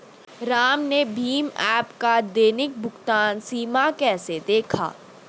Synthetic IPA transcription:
ɾaːmnebʱiːmɛːpkad̪eːnɪk̚bʱʊɡt̪aːnsiːmakɛːsed̪eːkʰa̰ː

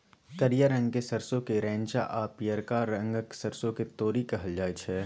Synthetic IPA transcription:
kɐɾijaɾɐ̃ŋɡkesɐɾsõkeɾɛ̃ːnt͡ʃa̰ʔaːpijəɾkaɾɐ̃ŋɡksɐɾsõket̪oːɾikɐɦəld͡ʒaːet͡ʃʰɛ

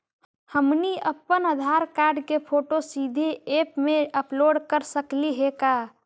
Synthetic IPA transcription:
həmniəpːənəd̪ʱaɾkaɾɖkepʰoʈosid̪ʱeepmeəploɖkəɾsəkliɦeka

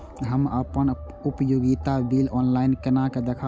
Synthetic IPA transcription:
ɦəməpən | ʊpjoɡit̪abilɔːnlaɪnkənaked̪ekʰa

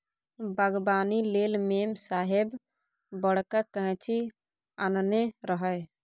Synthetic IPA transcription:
bəɡbaːnilelmeːmsaːɦeb | bəɽ̤kakəɦt͡ʃʰi | anneɾəɦəj

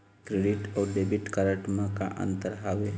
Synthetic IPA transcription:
kɾeɖiʈɔwɖebiʈkaɾəʈmə̃kaʔə̰nt̪əɾɦaʋe

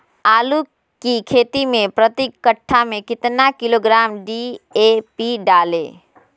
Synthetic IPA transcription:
aːlu | kikʰeːt̪imẽpɾət̪ikːəʈʰːamẽkɪt̪nakɪloɡɾaːmɖiepiɖaːlḛ̃ː

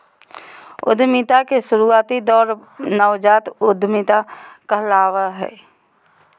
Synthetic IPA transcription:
ʊ̰d̪ʱmɪt̪akesʊɾuaːt̪id̪ɔːɾnəʋd͡ʒaːt̪ʊd̪ʱmɪt̪akalaːʋaɦɛ̰ː

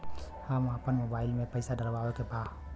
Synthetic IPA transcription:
hamapənmobaːɪlmẽpɐjsaɖəlbawekebaː

